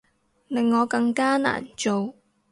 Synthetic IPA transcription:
lɪ˨ŋːɔː˨˧kɐ˧ŋkaː˥na̰ː˨˩nt͡ʃo˨w

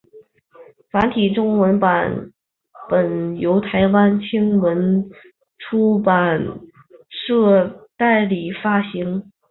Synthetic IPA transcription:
fa˧˥nt̪ʰi˨˩ʈ͡ʂʊ˥ŋwə˧˥npa˨˩˦n | pə˨˩njo˧˥ʊt̪ʰa˧˥ɪwa˥nt͡ɕʰi˥ŋwə˧˥n | ʈ͡ʂʰu˥pa˨˩n | ʂɤ˥˧t̪a˥˩ɪli˨˩fa˥ɕi˧˥ŋ

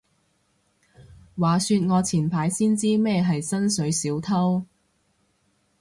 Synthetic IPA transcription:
waː˨˩syː˧t̚ŋɔː˨˧t͡sʰiː˨˩npʰaː˨˥jsiː˥nt͡siː˥mɛː˥ɦɐ˨jsɐ˥nsɵ˨˥ɥsiː˨˥wt̪ʰɐ˥w

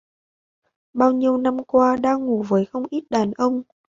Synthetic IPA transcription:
ɓaː˧wɲi˧əwna˧mkwaː˧ɗaː˧ŋŋu˨˩vəː˨˦jxə˧wŋ͡mʔi˦˥t̚ɗaː˨˩nʔə˧wŋ͡m

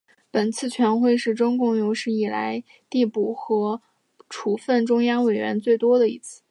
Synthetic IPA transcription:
pə˨˩nt͡sʰɹ̩˥˩t͡ɕʰɥɛ˧˥nxwe˥˧ɪʂɻ̩˥˩ʈ͡ʂʊ˥ŋkʊ˥˩ŋjo˧˥ʊʂɻ̩˥˩i˨˩la̰˧˥ɪ | t̪i˥˩pu˨˩xɤ˧˥ | ʈ͡ʂʰu˧˥˩fə˥˩nʈ͡ʂʊ˥ŋjɑ˥ŋwe˨˩ɪɥɛ̰˧˥nt͡swe˥˩ɪt̪wɔ˥d̪ə˨ḭ˥˧t͡sʰɹ̩˥˩

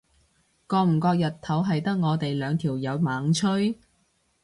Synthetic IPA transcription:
kɔː˧m̩˨˩kɔː˧k̚jɐ˨t̪ʰɐ˨˥wɦɐ˨jt̪ɐ˥k̚ŋɔː˨˧t̪e˨jlœː˨˧ŋt̪ʰiː˨˩wjɐ˨˧wmaː˨˥ŋt͡ʃʰɵ˥ɥ

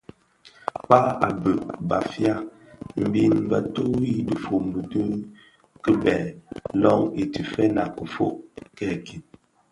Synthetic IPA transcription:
k͡pa˦a˨bə˨ʔba̰˨fja˦ | m̩˨bi˦n˦bə˨to˦i˦də˨fo˨m˨bə˨tu˦ŋ | kə˦bɛ˨lɔ˦ŋe˨ti˨fɛ˦na˨kə˨fo̰˦˨ʔkɛ˦˨ki˨t̚

